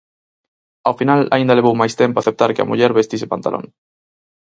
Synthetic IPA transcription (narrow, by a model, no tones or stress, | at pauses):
awfinala̰ind̪aleβ̞owmajst̪empoaθep̚t̪aɾkɪa̰muʎɛɾβest̪isepant̪a̰lʔo̰ŋ